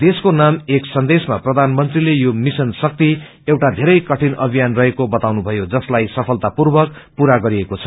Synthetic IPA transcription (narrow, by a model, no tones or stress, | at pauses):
d̪eskonameksʌnd̪esmaprʌd̪ʱanmʌnt̪rilejomisʌnsʌk̚t̪i | ewʈad̪ʱeɾʌjkʌʈʰinʔʌbʱijanrʌɦekobʌt̪awnubʱʌjod͡zʌslajsʌpʰʌlt̪apurbʌkpuɾaɡʌɾiekot͡sʰʌ̥